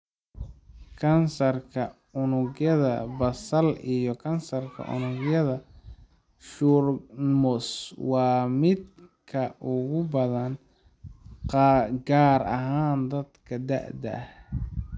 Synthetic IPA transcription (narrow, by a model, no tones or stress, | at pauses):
kʰɐnsɐrkʰɐ | ʊnʊɣjɐðɐ̰bɐsɐlijɞkʰɐnsɐrkʰɐ̰ʔʊ̰nʊɡjɐðɐ | ʃurmʊswɑːmɪd̪kʰɐʔʊɣʊbɐðɐn | qɑɡaːɾɐ̰ɦaːnd̪ɐd̪kʰɐd̪ɐ̰ʕd̪ɐ̰ʔh